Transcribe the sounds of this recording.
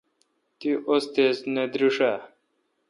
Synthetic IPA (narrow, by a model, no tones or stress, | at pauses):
t̪iʔost̪ezned̪ɾuʂa